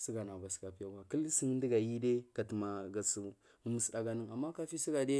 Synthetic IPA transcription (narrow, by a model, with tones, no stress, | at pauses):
si˦ɡa˨na˨ba˨ska˨pi˦ja˦wa˨kə˦lsi˦ŋ˦n˦di˦ɡa˨ji˦de˦ka˨tma˨ɡa˨su˨ | u˨mə˨sɗa˨ɡa˦nə˦ŋa˨mːa˦ka˦fi˦si˦ɡa˨de˦